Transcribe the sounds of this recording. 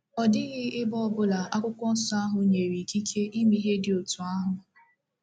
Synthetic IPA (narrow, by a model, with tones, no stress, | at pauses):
ɔ˨dɪ˦ɣɪ˦ɪ˦bɔ˦˨bʊ˦la˨a˦kʷʊ˦kʷɔ˦n̩˦sɔ˦a˦ɦʊ˨ɲe˨ɾi˨ki˦kʰe˦ʔi˦mi˦ɦe˦dɪ˨o˨tu˨a˦ɦʊ˨